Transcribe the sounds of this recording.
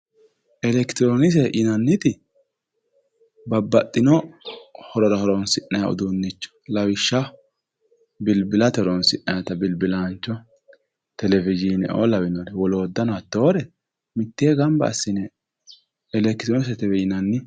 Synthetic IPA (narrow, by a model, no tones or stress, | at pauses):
ʔɛlɛkt̪ɪɾoːnɪs̬ɛʔɪnɐnːɪt̪ɪ | bɐbːɐt̪ʼːɪnɔ | hɔɾɔɾɐhɔɾɔnsɪnːɐjaʊ̰d̪unːɪt͡ʃːɔ̥lɐwɪʃːɐ | bɪlbɪlɐt̪ɔɾɔnsɪnːɐjɐt̪ɐbɪlbɪlaːnt͡ʃːɔ | t̪ɛlɛvɪd͡ʒinɛ̰o̰ːlɐwɪnɔdɛwɔloːd̪ːɐnɔɐt̪ːoːɾɛ | mɪt̪ːeːɡɐmbɐ̰ːsːɪnɛ | ɛlɛkt̪ɾoːnɪsɛt̪ɛwɛɪnɐnːɪ